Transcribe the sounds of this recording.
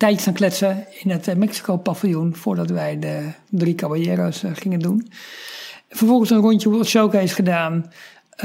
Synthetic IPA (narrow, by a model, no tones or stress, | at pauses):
tɛjəsanklɛtsəɪnətmɛksi̥koːpafijunfʊːɹdɔtʋɛjdə | drikabəljɛːɾosχɪŋəndun | fərfɔlˠχənsənruntəuɔtʃowkɪsχədaːn